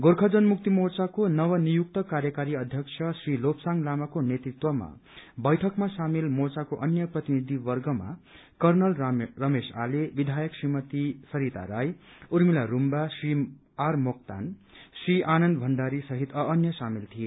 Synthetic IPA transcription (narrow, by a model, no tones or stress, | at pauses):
ɡorkʰʌd͡zʌnmuk̚t̪imort͡sakonʌwʌnijuk̚t̪ʌkaɾjʌkaɾiʌd̪ʱjʌkt͡sʰʌsrilopsaŋlamakonet̪rit̪wʌma̰bʌjʈʰʌkmasamilmort͡sakoʔʌnjʌprʌt̪inid̪ʱibʌrɡʌma̰ | kʌrnʌlrʌmesa̰lebid̪ʱajʌksrimʌt̪isʌɾit̪a̰ɾajuɾmilaɾumbasri | armokt̪a̰nsriʔanʌnd̪bʱʌnɖaɾisʌɦit̪ʌːnjʌsamilt̪ʰije